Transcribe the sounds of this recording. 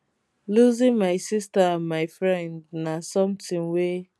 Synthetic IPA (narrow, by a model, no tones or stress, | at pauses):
luzĩŋmaɪsistaãnmaɪfɹɛ̃ndnasɔ̃mtĩnwe